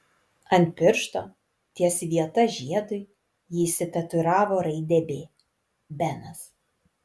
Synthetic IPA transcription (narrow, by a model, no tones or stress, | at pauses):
ɐnʲt̪̚ʲpʲɪɾʃt̪oː | t̪ʲiɛsʋʲiɛt̪ɐʒʲiɛd̪ʊɪ | jisʲɪt̪ʲɐt̪ʊɾɑːʋoːɾɐɪd̪ʲɛbʲeː | bʲɛnɐs